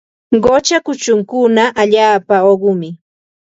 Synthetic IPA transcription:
ɢot͡ʃakʊt͡ʃʊŋkʊnaʔaʎaːpaoɢʊmɪ

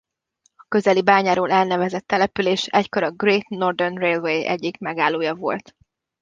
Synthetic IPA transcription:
ɒkø̞zɛlibaːɲaːɾoːlɛlnɛvɛzɛt̪ːɛlɛpyleːʃɛcko̞ɾɒɡreːt̪no̞rd̪ɛrnreːlvejɛ̰ɟːikmɛɡaːlːoːjɒvo̞̰lt̪

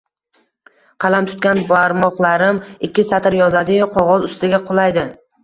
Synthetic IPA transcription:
qʰɑlˠamt̪ʰʊ̥t̪̚kʲanbaɾmɒqlˠaɾɪmɪkʲːɪsat̪ɪɾjɒzad̪ɪqʰɒʁɒzʊst̪ɪɡʲaqʰʊlˠajd̪ɪ

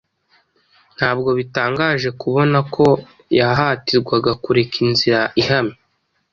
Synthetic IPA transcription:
n̥haːbɡo̞βitaːŋɡaːʒe̞kuβo̞nakʰo̞ | jaɦatiɾɡwaɡakuɾe̞kʰinziɾaʔiɦami

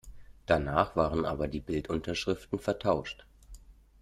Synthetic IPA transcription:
d̥anaːχv̥aːʁənʔa̰ːbɐdiːbɪltʔʊntɐʃʁ̥ɪftn̩fɛɐtʰaʊʃt

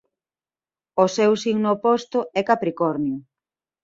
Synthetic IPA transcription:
osɛwsiŋnopɔst̪oɛkapɾikɔɾnjʊ

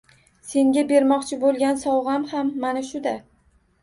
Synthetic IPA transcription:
se̞ŋɡʲabe̞ɾmɒqt͡ʃʰɪbolˠɡʲansɒwʁamhamːanaʃʊd̪a

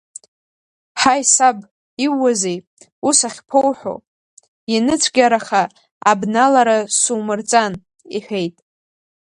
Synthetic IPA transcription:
ħajsab | iwːazej | usaχʲpʰowħʷo̰ | inɨt͡sʷʰɡʲaɾaχa | abnalaɾasumɨrt͡sʼan | iħʷe̞jtʼ

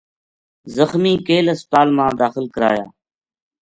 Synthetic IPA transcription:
zəxmiːkeːləst̪aːlmãːd̪aːxɪlkəɾa̰ːja̰ː

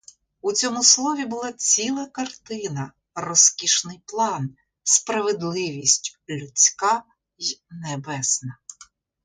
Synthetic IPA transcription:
ut͡sʲɔmʊslˠɔʋʲibʊlˠɑt͡sʲilˠɐkɐrt̪ɪnɐ | rɔskʲiʃnɪjplˠɑn | spɾɐʋed̪lˠɪʋʲisʲtʲlʲʊt͡sʲkɑ | jnebɛsnɐ

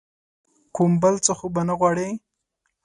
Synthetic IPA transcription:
kumbəlt͡səxobanaɣwɑɽe

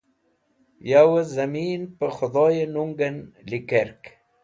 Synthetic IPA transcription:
jawəzamiːnpəxʊd̪ˤojenuŋɡənlikeɾk

